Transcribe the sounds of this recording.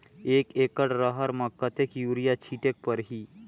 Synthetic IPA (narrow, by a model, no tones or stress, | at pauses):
eːkeːkəɽɾəɦəɾməkːət̪ekjuːɾijat͡ʃʰiːʈek̚pəɾɦiː